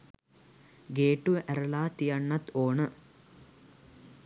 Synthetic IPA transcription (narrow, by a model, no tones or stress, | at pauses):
ɡeːʈuæɾɐlaːt̪ijɐɳːɐt̪oːnə